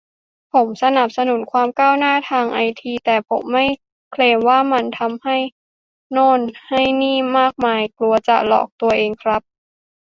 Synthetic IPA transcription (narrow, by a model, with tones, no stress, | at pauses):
pʰo˩˦msa˧na˨˩p̚sa˧nu˩˦nkʰwaː˧mkaː˥˩wnaː˥˩t̪ʰaː˧ŋʔa˧jt̪ʰiː˧t̪ɛː˨˩pʰo˩˦mːa˥˩j | kʰleː˧mwaː˥˩ma˧nt̪ʰa˧mha˥˩j | nɔː˥˩nha˥˩jniː˥˩maː˥˩k̚maː˧jklu˧ɐt͡ɕa̰˨˩lɔ̰ː˨˩k̚t̪u˧ɐʔeː˧ŋkʰɾa˦˥p̚